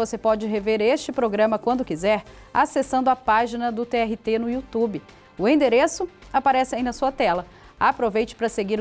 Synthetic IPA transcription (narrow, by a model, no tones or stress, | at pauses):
vosepɔd͡ʒɪɦeveɾeʃt͡ʃɪpɾoɡɾɐ̃mɐkwɐ̃nd̪ʊkizɛɾ | asesɐ̃nd̪ʊapaʒinɐd̪ʊt̪eɛɦɪt̪enʊiut̪ubɪ | ʊẽd̪eɾesʊapaɾɛsɪaĩnɐsuɐt̪ɛlɐ | apɾovejt͡ʃɪ̥pɾɐseɡiɾ